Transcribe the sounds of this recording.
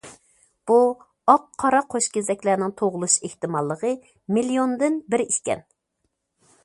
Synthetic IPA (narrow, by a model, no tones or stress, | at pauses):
b̥u | ɑqʰːɑɾɑqʰoʃkʲezɛkʲlæɾnɪŋt̪ʰoʁʊlˠuʃeht̪ɨmɑlˠːəʁə | milijond̪ɨnbɪɾiʃkʲɛ̰n